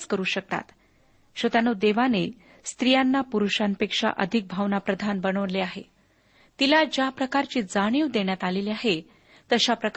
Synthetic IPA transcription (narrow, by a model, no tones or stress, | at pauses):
skəɾuːɕək̚t̪a̰t̪ | ɕət̪anod̪eʋane | st̪ɾijanːapuɾuɕanpekʂa̰ʔəd̪ʱik̚bʱaʋnapɾəd̪ʱanbənəʋnleaɦe | t̪ilad͡ʑjapɾəkaɾt͡ɕiːd͡zaɽ̃iʋd̪eɳjat̪aleliaɦe | t̪əɕapɾək